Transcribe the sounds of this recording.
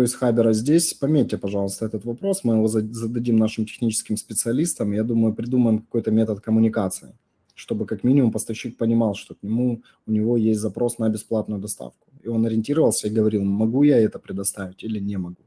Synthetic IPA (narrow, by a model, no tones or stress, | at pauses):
t̪oɪsʲxabʲɪɾəzʲdʲesʲpɐmʲet̚ʲːɪpɐʐɑlˠəst̪əɛt̪ət̪vɐpɾo̞smɨjɪvo̞zzəd̪ɐdʲimnaʂɨmtʲɪ̥xnʲit͡ɕɪ̥skʲɪmspʲɪt̪sɨɐlʲist̪əmjad̪uməjʊpɾʲɪd̪uməjɪmkɐ̥ko̞jt̪əmʲe̞t̪ət̪kəmʊnʲɪkat̪sɨɪ | ʂt̪o̞bɨkɐkmʲinʲɪmʊmpəst̪ɐfɕːik̚pənʲɪmɑlˠʂt̪o̞knʲɪmu | ʊnʲɪvo̞jesʲtʲzɐpɾo̞snəbʲɪsplˠat̪nʊjʊd̪ɐst̪a̰fkʊ̥ɪo̞nɐɾʲɪnʲtʲiɾəvəlˠsʲəiɡəvɐɾʲilˠmɐɡujaɛt̪əpɾʲɪd̪ɐst̪avʲɪtʲilʲɪnʲemɐɡu